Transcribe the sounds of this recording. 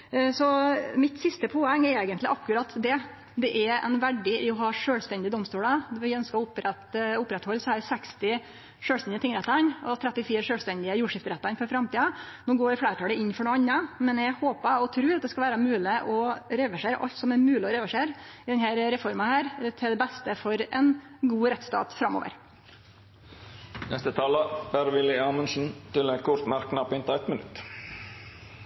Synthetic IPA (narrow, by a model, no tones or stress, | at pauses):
sɔmɪt̪sɪst̪əpʰoːɛŋːɛɾeːɡənt̪lɪʔɑkːʉɾɑt̪d̪ɛ | d̪ɛʔɛɾɛ̰nʋæɖɪʔɪɔɦɑːʂøːlst̪ɛnd̪ɪəd̪ɔmst̪uːləʋɪœnskəɔʊpːɾɛt̪ʊpːɾɛt̪hɔlːsɔæɾsɛkst̪ɪ | ʂøːlst̪ɛnd̪ɪt̪ɪŋɾɛt̪ːəɾnɔt̪ʰɾɛt̪ːɪfiːɾəʂøːlst̪ɛnd̪ɪəjuːʂɪft̪əɾɛt̪ːɑnfɔɾfɾɑmt̪iːɑnoːɡoːɾflæːɾʈ̪ʰɑːləɪnːfɔɖɛɑnːəmɛnɛhoːpəɔt̪ʰɾʉːɑt̪̚d̪ɛskɑlʋæːɾɑmʉːlɪʔɔɾɛʋæʂeːɾə̰ʔɑ̰ʎt̪sɔmæɾmʉːlɪɔɾɛʋæʂeːɾɪd̪ɛnhæɾɾɛfɔɾmɑhæːɾt̪ʰɪld̪ɛbɛst̪əfɔɾɛn | ɡuːɾɛt̪ːst̪ɑ̰ːt̪fɾɑmːo̰ːʋə̰ɾ | nɛst̪ət̪ʰɑːləb̥æɾʋɪlɪɑːmənʂn̩t̪ɪlɛkʰʊɾt̪mæɾknɑpɔɪnt̪ɑɛt̪mənʉ̰t̪